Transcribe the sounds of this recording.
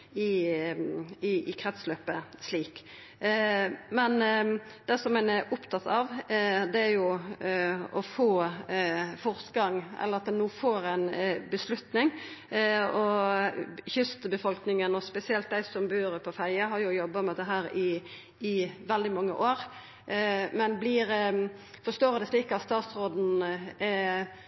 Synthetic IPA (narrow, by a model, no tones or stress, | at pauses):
ɪ | ɪɪkʰɾɛt̪sløːpəsliːk | mɛnd̪̥ɛsɔmɛnɛɾʔʊpt̪ʰɑt̪ɑʋd̪ɛæɾjʊ | ɔfoː | fɔɾt̪ɡɑŋɛ̰lːəɾɑt̪̚d̪ɛnuːfoːɾæɪnbəslʉt̪nɪŋ | ɔ | çʏst̪əbəfɔlknɪŋənɔspɛsɪɛlt̪̚d̪æɪsɔmbʉːɾəpʰɔfæɪəɦɑɾjʊjɔbːəmɛd̪ɛɦæːɾɪː | ʋɛld̪ɪmɑŋːə̰ʔoːɾ | mɛnblɪɾ | fɔst̪oːɾd̪ɛsliːkəɑt̪st̪ɑːt̪sɾoːd̪n̩ɛ